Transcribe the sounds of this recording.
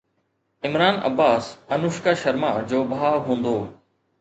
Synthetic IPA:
ɪmɾaːnɐ̰baːsɐnʊʃkaːʃɐɾmaːd͡ʑoːbʱaːɦũːnd̪oː

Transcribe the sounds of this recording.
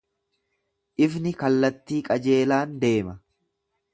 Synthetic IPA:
ʔɪfnɪkɐlːɐt̪ːiːkʼɐd͡ʒe̞ːlaːnd̪e̞ːmɐ

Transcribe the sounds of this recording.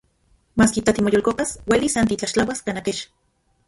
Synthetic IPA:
maːskit̪at̪imojolkopaswelisant̪it͡ɬaʃt͡ɬawaskanakeʃ

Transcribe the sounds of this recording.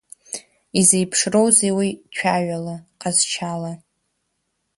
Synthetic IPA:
izejpʰʂrowzejwit͡ʃʷʰᶣaɥalaqʼazt͡ʃʰala

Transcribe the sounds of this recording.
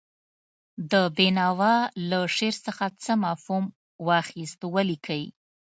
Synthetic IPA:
d̪əbenɑwɑlaʂeɾsəxat͡səmɑfhum | wɑxist̪walikʰawḭ

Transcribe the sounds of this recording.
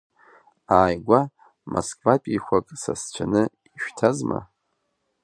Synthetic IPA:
aːjɡʷa | moskʰʼvapʼixʷakʼsast͡ɕʷʰanɨ | iʃᶣtʰazma̰

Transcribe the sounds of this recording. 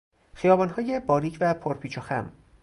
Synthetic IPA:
xijɒːbɒːnɦɒːje̞bɒːɾiːcʰvæpʰoɾpʰiːt͡ʃʰoxæ̰m

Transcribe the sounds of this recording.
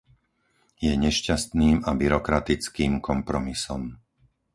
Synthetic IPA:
jɛɲɛʃcast̪niːmabiɾɔkɾat̪it͡skiːmkɔmpɾɔmisɔm

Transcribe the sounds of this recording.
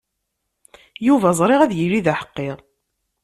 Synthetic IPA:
juvæzˤɾˤɪʁæðjilːiðaħə̥qːɪʁ

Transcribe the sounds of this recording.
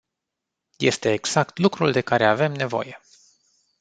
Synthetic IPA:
je̞̰st̪e̞ːɡz̥akt̪lukɾuld̪e̞kaɾe̞ave̞mne̞vo̞̰je̞

